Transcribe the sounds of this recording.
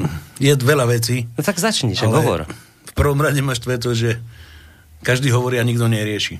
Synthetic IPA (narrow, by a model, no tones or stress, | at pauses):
jɛʋɛlaʋɛt͡siːt̪aɡzat͡ʃɲiʃɛɦɔʋɔ̰ɾ | fpr̩ʋɔmɾaɟɛmaːʃt̪ʋɛt̪ɔʒɛ | kaʒd̪iːɦɔʋɔɾiːaɲiɡd̪ɔɲɛɾɪɛʃiː